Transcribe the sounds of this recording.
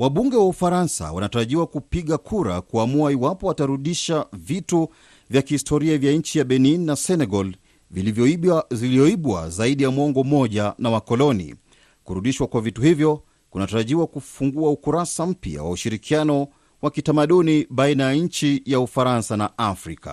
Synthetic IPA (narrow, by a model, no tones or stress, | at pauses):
waɓuŋɡɛwaufaɾansa̰wa̰nataɾaʄiwakupiɠakʰuɾa̰kuamuaiwapɔwataɾuɗiʃavitu | vjakihistʰɔɾiavjaɲ̩t͡ʃijaɓɛninnasɛnɛɡɔl | vilivjɔzilizɔiɓwa̰zaiɗijamwɔŋɡɔmɔʄanawakɔlɔnḭ | kuɾuɗiʃwakwavituhivjɔ | kunataɾaʄiwakufuŋɡuaukuɾasam̩pja̰wa̰uʃiɾikʰianɔ | wakitamaɗuniɓainajaɲ̩t͡ʃijaufaɾansanaafɾika̰